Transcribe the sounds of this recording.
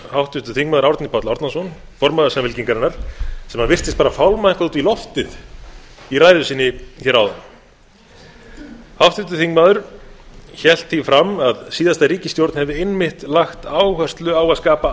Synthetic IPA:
hawht̪ʏt̪ʏθiŋkmaːðʏɾawɾt̪nɪpʰat̪lawɾt̪nasɔn | fɔɾmaðʏsamvɪlciŋkaɾɪnːaɾ̥sɛmhanvɪr̥t̪ɪst̪paːɾafawlmaɪŋkvaðut̪vilɔft̪ɪð | iraːjðʏsɪːnːɪçɛɾawðam | hawft̪ʏt̪ːʏθiŋkmaðʏɾ̥ | çɛl̥t̪θifɾamaðsiːðast̪aɾiːcɪst̪jowɾt̪n̥hɛvðɪejnmɪht̪laxt̪aːwhœr̥st̪lʏawaðskaːpa

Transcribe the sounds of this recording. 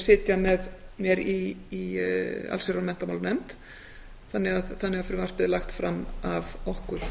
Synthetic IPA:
sɪːt̪jamɛðmjɛɾiː | a̰lsɪɾramɛnt̪amawlnɛmt̪ | θanːɪɣaðθanːɪɣafɪɾɪvar̥pɪðlaxt̪fɾamːavɔhkʏɾ̥

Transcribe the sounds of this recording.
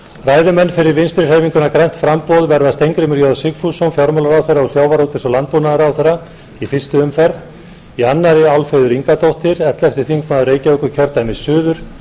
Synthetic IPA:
raːjðʏmɛnːfɪɾɪɾvɪnst̪ɾɪɾ̥heːjviŋkʏnakɾajn̥t̪fɾampɔðvɛɾðast̪ejŋkɾɪmɪɾjɔðsɪkfusonfjɔɾmɔlaɾawθeɾːaɔsjaːwvaɾhot̪ɪ̥sɔlant̪̚punaðaɾawθejɾa | ifɪ̥st̪ʏʏmfɛɾð | ianːaɾɪawlfeːðʏɾiŋkat̪owht̪ɪɾɛt̪lɛft̪ɪ̥θiŋkmaðʏɾreːjcaœkʏcʰœɾt̪ajmɪsʏːðʏɾ̥

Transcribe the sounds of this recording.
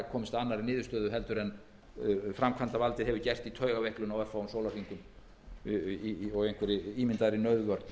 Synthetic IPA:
kʰɔːmɪst̪anːaɾinɪːðʏ̥ɾst̪œːðʏɦɛlt̪ʏɾɛn | fɾamkʰvant̪avalt̪ɪɦɛvʏcɛr̥t̪it̪ʰœːɥɣavɛhklʏnawɛɾfawʏmsowlafiŋkʏm | ɔɣejŋ̥kʰvɛɾɪiːmɪnt̪aðɪɾinœɥðvœɾt̪n

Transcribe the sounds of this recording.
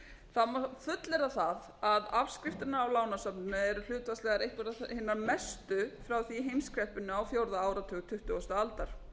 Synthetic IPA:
θamafʏt̪lɛɾaθað | aðavskɾɪft̪ɪnaːwlaːwnasapnnʏɛɾʏl̥ʏːt̪vast̪lɛɣaɾejhkvɛɾahɪnːaɾmɛst̪ʏfɾawθiɦejmskɾɛhpʏnːʏawfjowɾðaaːwɾat̪ʰʏːɣt̪ʰʏht̪ʏɣɔst̪ʏalt̪aɾ̥

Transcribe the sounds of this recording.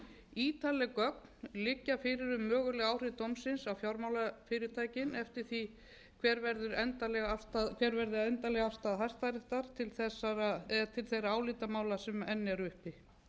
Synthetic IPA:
iːt̪alɛkœk̚n̥lɪcːafɪɾɪɾʏmːœːɣʏlɛɣaːwr̥ɪðt̪owmsɪnsawfjawɾmawlafɪːɾɪɾt̪ʰaːjcɪnɛft̪ɪɾ̥θi | kʰvɛɾvɛɾðʏɾɛnt̪alɛɣast̪akʰvɛɾvɛɾðɪɛnt̪alɛɣafst̪aðɦajst̪aɾɪht̪aɾ̥t̪ʰɪlθɛsːaɾaɛt̪ʰɪlθejɾaaːwlɪːt̪amaːwlasɛmɛnːɪɛɾʏhpɪ

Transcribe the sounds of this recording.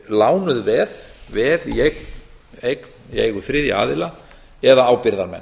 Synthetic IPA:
laːwnʏðvɛðvɛðiejkn | ejknieːjɣʏθɾɪðja̰a̰ːðɪla | ɛðaaːwpɪɾðaɾmɛ̰nː

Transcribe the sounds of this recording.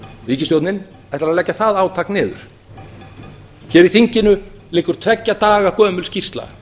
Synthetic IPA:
riːcɪst̪jowt̪nɪn | ɛjt̪ɾaðlɛcːaθaðaːwt̪ʰaknɪːðʏ̰ɾ̥ | çɛːɾiθiɲcɪnʏlɪːkʏɾ̥t̪ʰvɛcːat̪aːɣakœːmʏlscirst̪la̰

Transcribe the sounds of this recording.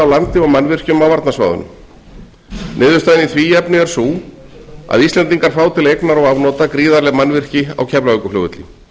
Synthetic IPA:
awlant̪ɪɔmanvɪr̥cʏmawvaɾt̪nasva̰ːðʏ̰nʏ̰m | nɪːðʏɾst̪ajɪniθviːɛpnʏɛɾ̥suː | a̰ðist̪lɛnt̪iŋkaɾ̥faːwt̪ʰɪlaejknaɾɔɣavnɔːt̪akɾiːðaɾlɛɣmanvɪr̥cɪa̰wcʰɛplaœkʏflo̰ːwɣʏt̪lḭ

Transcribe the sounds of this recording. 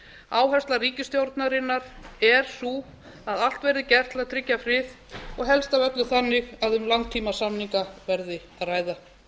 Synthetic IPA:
aːwɦɛ̥st̪laɾiːcɪst̪jowɾt̪naɾɪnːaɾ̥ɛɾ̥su | aðal̥t̪vɛjɾðɪcɛr̥t̪ʰlaðt̪ʰɾɪcːafɾɪθ | ɔɣɦɛlst̪avœt̪lʏθanːɪɣaðʏmlant̪ʰːiːmasamniŋkavɛɾðɪ | aðraːjða

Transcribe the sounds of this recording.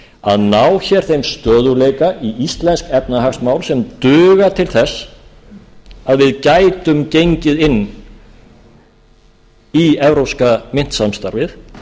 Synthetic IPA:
a̰ðnawçɛɾ̥θejmst̪œːðʏlejkaiist̪lɛnskɛp̚naɦakst̪maːwlsɛmt̪ʏːɣat̪ʰɪlθɛsː | aðvɪðcajt̪ʏmcejɲcɪðɪnː | iɛvɾowskamɪn̥t̪samst̪aɾvɪθ

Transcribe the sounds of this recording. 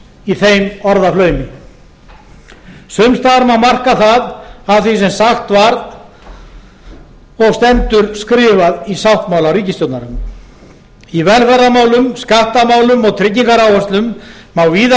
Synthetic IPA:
iθejmɔɾðaflœːɥmɪ | sʏmst̪aɾmawmar̥kaθaðavθisɛmsaxt̪vaɾð | ɔɣst̪ɛnt̪ʏɾskɾɪːvaðisawht̪mawlawɾiːcɪst̪jowt̪naɾʏm | ivɛlfɛɾðamaːwlʏmskaht̪amaːwlʏmɔɣt̪ʰɾɪcːiŋkaɾawɛst̪lʏmːawviːða

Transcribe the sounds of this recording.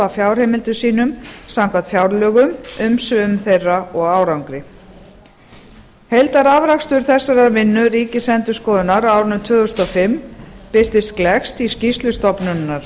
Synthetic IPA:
afjawr̥hejmɪlt̪ʏsiːnʏmsamkat̪fjawɾlœːɣʏmʏmsʏmθejrːaɔɣaːwɾawŋkɾɪ | hejlt̪aɾavɾakst̪ʏɾ̥θɛsːaɾaɾvɪnːʏriːcɪsɛnt̪ʏskɔːðʏnaɾawɾʏnʏt̪ʰvœːðʏst̪ɔfɪmːpɪr̥t̪ɪst̪klɛxst̪iscist̪lʏst̪ɔpnʏnːaɾ̥

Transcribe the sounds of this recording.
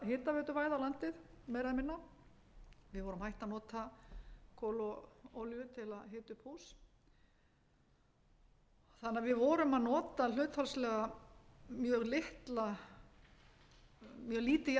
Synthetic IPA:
ɦɪːt̪avœːt̪ʏvaːjðawlant̪ɪðmɛjɾamɪnːa | vɪðvɔːɾʏmhajht̪anɔːt̪a | kʰɔːlɔowljʏt̪ʰɪlaðɦeːt̪ʏphuːs | θanːaɾvɪðvɔːɾʏmaðnɔːt̪al̥œːt̪falslɛːɣa | mjœːɣlɪht̪la | mjœːɣliːt̪ɪ

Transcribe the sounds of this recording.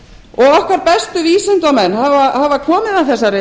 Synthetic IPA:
ɔɣɔhkaɾpɛst̪ʏviːsʏnt̪amɛnhavahavakʰɔːmɪðaθɛs̬ːaɾɪ

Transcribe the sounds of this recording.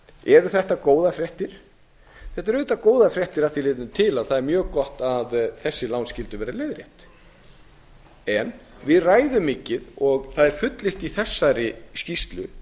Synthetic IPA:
ɛɾʏθɛht̪akoːwðafɾjɛht̪ɪɾ̥ | θɛht̪ɛɾʏːt̪akoːwðafɾjɛht̪ɪɾaθilɪːt̪ʏnʏt̪ʰɪlaðθaðɛɾmjœːɣkɔht̪aðθɛsːɪlawnscɪlt̪ʏvɛːɾaleːjðɾjɛ̰ht̪ | ɛnvɪðraːjðʏmːɪːcɪðɔɣθaðɛɾ̥fʏt̪lɪl̥t̪iθɛsːaɾɪscist̪lʏ

